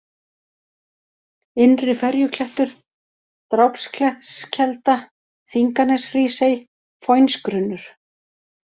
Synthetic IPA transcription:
ɪnrɪfɛɾjʏkʰlɛht̪ʏɾ̥ | t̪ɾawpskʰlɛht̪scʰɛlt̪a | θiŋkanɛsriːsej | fojnskɾʏnːʏɾ̥

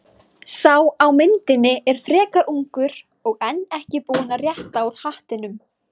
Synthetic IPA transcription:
saːwawmɪnt̪ɪnːɪʔɛɾ̥fɾɛːkaɾuŋkʏɾ̥ | ɔɣɛnːɛhcɪpuːnarjɛht̪awɾ̥haht̪ɪnʏm

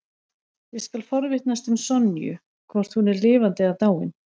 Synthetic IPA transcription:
vɪðskalfɔɾvɪht̪nast̪ʏmsɔnːjʏ̰ | kʰvɔr̥t̪hunɛɾlɪːvant̪ɪaðt̪aːwɪ̰n

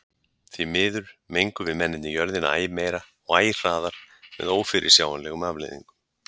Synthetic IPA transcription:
θvimɪːðʏɾ̥mejŋkʏvɪðmɛnːɪt̪nɪjœɾðɪnaa̰ːjɪmeːjɾa | ɔɣaːjɪr̥aːðaɾ̥mɛ̰ðoːwfɪɾʔɪsjaːwanlɛːɣʏmaːvlḛjðḭŋkʏ̥

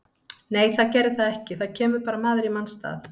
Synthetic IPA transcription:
neːjθaðcɛɾðɪθaðɛhcɪθaðcʰɛːmʏɾpaːɾamaːðɪɾimanst̪a̰ːθ

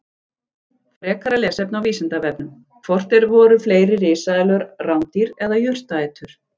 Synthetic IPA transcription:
fɾɛːkaɾalɛːsɛp̚nawviːsɪnt̪avɛp̚nʏm | kʰvɔr̥t̪ɛɾvɔːɾʏfleːjɾɪrɪːsaɪlœɾrawnt̪iɾɛðajʏr̥t̪aːt̪ʰʏɾ̥

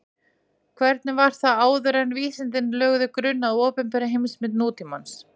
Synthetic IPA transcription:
kʰvɛɾt̪nɪvaɾ̥θaðaːwðʏɾanviːsɪnt̪ɪnlœɣðʏkɾʏnːaðoːpʏmpɛɾaɦejmsmɪt̪nuːt̪imans

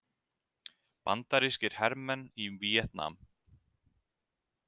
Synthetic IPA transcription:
pa̰nt̪aɾiscɪɾ̥hɛɾmɛnːivijɛt̪na̰m

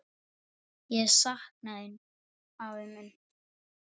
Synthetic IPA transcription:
jɛɛsahknaðɪn | awvɪmːʏn

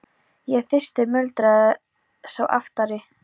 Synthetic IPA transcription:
jɛɣθɪst̪ɪmœlt̪ɾa | sawʔa̰ft̪aɾɪ

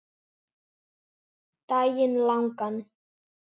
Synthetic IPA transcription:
t̪ajɪnlaŋkan

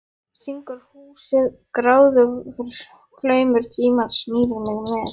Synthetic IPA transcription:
siŋkʏɾ̥huːsɪðkɾaːwðʏfɪɾɪɾ̥ | kʰlœːɥmʏɾ̥t̪ʰiːmað̥smiːðɪɾmɪɣmɛːɾ

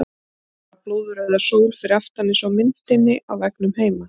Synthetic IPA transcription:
aploːwðʏɾaðasoːwlfɪɾɪɾaft̪anːɪsvawmɪnt̪ɪnːɪʔa̰wvɛknʏmheːjma

